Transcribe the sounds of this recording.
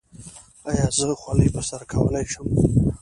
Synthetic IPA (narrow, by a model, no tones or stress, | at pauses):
ajɑzəxwaləjpəsaɾakʰawə̰lajʃəm